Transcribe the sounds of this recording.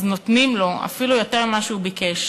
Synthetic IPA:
zno̞tnimlo̞a̰filujo̞te̞ʁmaʃuːbikeʃ

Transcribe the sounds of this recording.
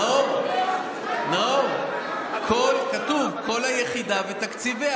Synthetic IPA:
o | no | kʰolkat̪uvko̞lhajeχid̪avet̪akt͡sive

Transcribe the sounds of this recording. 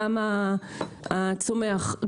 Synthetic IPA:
ama | at͡someaχ

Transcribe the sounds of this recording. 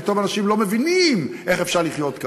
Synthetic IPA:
t̪ovanaʃimlo̞mevinimʔeχefʃaʁliχjot̪k

